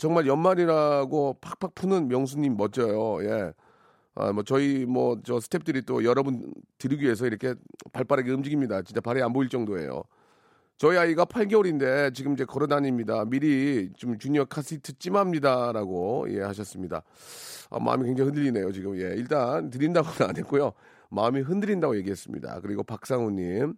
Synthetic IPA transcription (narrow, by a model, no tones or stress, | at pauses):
t͡ɕʌŋmaɭjʌnmaɲiɾaɡopʰak̚pʰak̚pʰunɯnmjʌŋs̬ʰunːimːʌt͡ɕ͈ʌjoje̞̰ | a̰mʌt͡ɕʌimʌt͡ɕʌsʰɯ̥tʰe̞p̚t͈ɯɾit͈o̰jʌɾʌbuntɯɾiɡɥie̞s̬ʰʌiɾʌkʰe̞paɭp͈aɾaɡe̞ɯmd͡ʑiɡimɲidat͡ɕint͡ɕ͈apaɾianboiɭt͡ɕ͈ʌŋdoe̞̰jo̰ | t͡ɕʌiaiɡapʰaɭɡeoɾinde̞t͡ɕiɡɯmid͡ʑe̞kʌɾɯnaɲimɲidamiɾit͡ɕomt͡ɕuɲʌkʰasʰitʰɯt͡ɕ͈imamɲidaɾaɡoḭehaɕ̬ʰʌs͈ɯmɲida̰ | a̰ma̰ɯ̰mikweŋd͡ʑʰaŋhɯndɯɾine̞jot͡ɕiɡɯmje̞iɭt͈antɯɾindaɡonanet̚k͈ojo | maɯmiɦɯndɯɾindaɡoje̞ɡiɦe̞s͈ɯmɲḭda̰kɯɾiɡopak̚s͈aŋuɲːim